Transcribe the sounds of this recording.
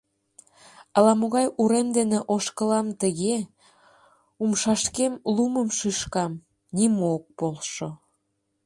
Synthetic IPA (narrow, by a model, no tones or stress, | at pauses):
əlɑmoɣɑjuɾemd̪eneʔoʃkəlɑmt̪əɣe | umʃɑʃkemluməmʃiʃkɑm | nimook̚polʃo